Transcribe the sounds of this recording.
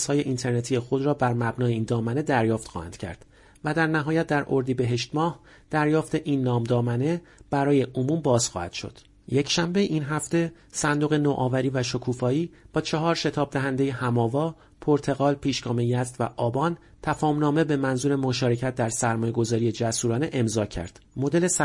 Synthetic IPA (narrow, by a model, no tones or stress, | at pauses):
shɒːje̞ʔint̪ʰeɾne̞t̪ʰijexo̞d̪ɾɒːbæɾmæbnɒːjeiːnd̪ɒːmæne̞d̪æɾjɒːft̪xɒ̰ːhæ̰nd̪̥cʰæ̰ɾd̪̥ | væd̪æɾnæɦɒːjæt̪̚d̪æɾʔo̞ɾd̪ibe̞ɦe̞ʃt̪mɒːh | d̪̥æɾjɒːft̪e̞ʔiːnːɒːmd̪ɒːmæne̞b̥æɾɒːje̞ʔomuːmbɒːz̥xɒ̰ːhæ̰d̪̥ʃo̞̰d̪̥ | je̞cʰʃæmbe̞ʔinɦæft̪e̞ | sænd̪oɣe̞noːʔɒːvæɾiːvæʃo̞kʰuːfɒːiːb̥ɒːt͡ʃʰeɦɒːɾʃe̞t̪ʰɒːb̚d̪æɦænd̪e̞je̞hæmɒːvɒː | pʰo̞ɾt̪ʰe̞ɣɒːlpʰiːʃɡɒːmejæst̪væʔɒːbɒːn | t̪ʰæfɒːmnɒːme̞be̞mænzuːɾe̞moʃɒːɾe̞cʰæt̪̚d̪æɾsæɾmɒːje̞ɡo̞zɒːɾije̞d͡ʒæsuːɾɒːneʔe̞mzɒːcʰæ̰ɾd̪̥mo̞d̪e̞le̞s